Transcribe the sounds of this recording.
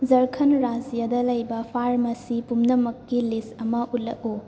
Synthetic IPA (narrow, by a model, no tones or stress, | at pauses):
zɐɾkʰɐnɾazijadɐlɐjbɐpʰaɾmɐsipumnɐmɐkːilisɐmɐʔulɐ̰ʔu